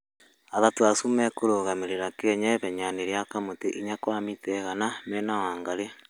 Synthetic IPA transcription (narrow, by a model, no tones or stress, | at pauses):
aðatuasumɛkoɾoɣameɾeɾakeɲɛβɛɲaneɾjakamoteʔiɲakwamitɛɣanamɛnawaːŋɡaɾe